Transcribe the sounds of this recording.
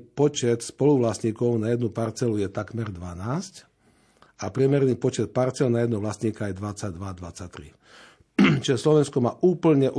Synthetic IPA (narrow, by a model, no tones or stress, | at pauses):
pɔt͡ʃɛt̪spɔluʋlasɲiːkɔʊnajɛd̪nupaɾt͡sɛlujɛt̪akmɛɾd̪ʋanaːsc | apɾɪɛmɛɾniːpɔt͡ʃɛt̪̚paɾt͡sɛlnajɛd̪nɔʋlasɲiːkajɛd̪ʋat͡saɟd̪ʋad̪ʋat͡sac̚t̪ɾḭ | t͡ʃiʒɛslɔʋɛnskɔmaːʔuːpl̩ɲɛʔu